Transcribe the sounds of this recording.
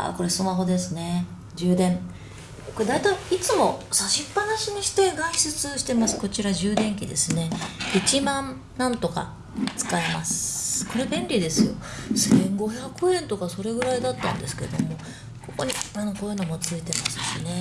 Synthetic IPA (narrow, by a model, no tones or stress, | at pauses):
a̰ko̞ɾe̞sɨmaɦo̞d̪e̞sɨne̞ | d͡ʑɨːd̪ẽ̞ɴ | koɾed̪ait̪aiit͡sɨmo̞saɕipːanaɕiɲ̟iɕi̥t̪e̞ɡaisɨt͡sɨɕi̥t̪e̞masɨ̥ko̞t͡ɕiɾaʑɨːd̪ẽ̞ŋkʲid̪e̞̰sɨne̞it͡ɕimãn | nãnt̪o̞ka̰ | t͡sɨ̥kaemasɨko̞ɾe̞bẽ̞nʲɾʲid̪e̞sɨjo̞̰sẽŋɡo̞çʲakɯ̟ẽ̞nt̪o̞kaso̞ɾe̞ɡɯ̟ɾaid̪at̪ːã̰nd̪e̞sɨ̥ke̞̰d̪o̞̰mo̞ | ko̞ko̞ɲ̟ianokoːjɯ̟no̞mo̞t͡sɨit̪e̞masɨ̥ɕḭne̞